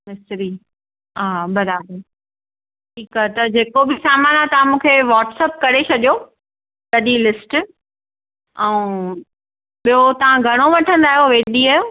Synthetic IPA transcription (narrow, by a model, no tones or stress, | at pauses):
mɪsɾi | aːbɐɾaːbəɾ | ʈʰiːkaːɛt̪ɐd͡ʑeːkobɪsaːmaːnat̪ɐʋãmũːkʰeʋaːʈsəp̚kɐɾet͡ɕʰɐɗijo | t̪ɐɗilɪsʈ | ɛ̃ | ɓijot̪ɐʋ̤ãɡʱɐɽ̃oʋɐʈʰə̃nd̪aːɦjoʋeːɗiaːjo